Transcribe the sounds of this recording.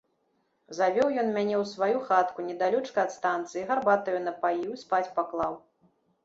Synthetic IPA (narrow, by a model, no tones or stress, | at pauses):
zavʲɔwjɔnmʲanʲɛwsvajuxat̪kunʲɛd̪alʲɔt͡ʂkɐːt̪st̪ant̪sɨiɣarbat̪ɐjunɐpajiwispat͡sʲpaklˠaw